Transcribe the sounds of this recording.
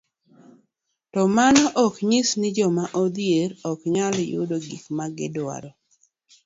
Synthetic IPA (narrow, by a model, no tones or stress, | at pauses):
tɔmanɔʔɔkɲɪsnɪd͡ʒɔmaʔɔd̪jeɾɔkɲaljʊ̰doɡikmaɡɪ̰dwa̰ɾɔ